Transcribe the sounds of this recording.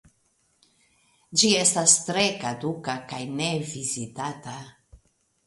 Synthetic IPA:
d͡ʒie̞stastɾe̞kadukakajne̞vizitata

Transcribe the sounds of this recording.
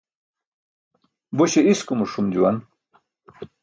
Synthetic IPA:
boɕeiskumuʂumd͡ʑuwan

